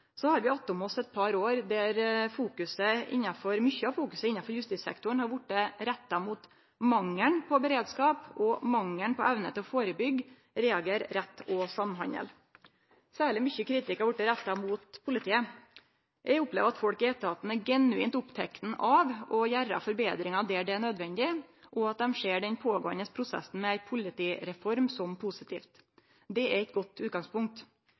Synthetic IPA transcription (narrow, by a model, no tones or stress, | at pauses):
sɔhɑɾʋɪɑt̪ːʊmɔsːɛt̪̚pʰɑɾoːɾd̪æɾfuːkʉsəɪ̰nːɑfɔɾmʏçːəɑfuːkʉsəɪnːɑnfɔɾjʉst̪iːsɛ̰kt̪ʊɳhɑɾʋʊʈːəɾɛt̪ːɑmuːt̪ | mɑŋːəɳpʰɔbəɾeːd̪skɑːpɔmɑŋːəɳpɔʔɛʋnə̰t̪ʰɛfoːɾəbʏɡ | ɾɛɑɡeːɾɾɛt̪ːɔsɑmnɦɑ̰ɲə̰l | sæːɭɪmʏçəkʰɾiːt̪ɪkɑʋʊʈːəɾæt̪ːɑmuːt̪pʰʊlɪt̪ʰiːə | jʔæɪʊplḛːʋəɾɑt̪fɔlkɪeːt̪əɾhɑːt̪n̩ɛɡɛnʉiːnt̪ʊpt̪ʰɛkt̪n̩ʔɑʋɔjæɾɑ̰fɔɾbeːd̪ɾɪŋɑd̪ɛɖɛɳød̪ʋɛnd̪ɪʔɔɑt̪̚d̪ɛmʂeːɖɛnpʰoːɡoːənəspʰɾʊsɛ̰sn̩mɛæɪpʰʊlɪt̪iːɾɛfɔɾmsɔmpʰʊsɪt̪ḭːft̪ | d̪ɛæɾɛt̪̚ɡɔt̪ːʉːt̪̚ɡɑŋspʊŋk̚t̪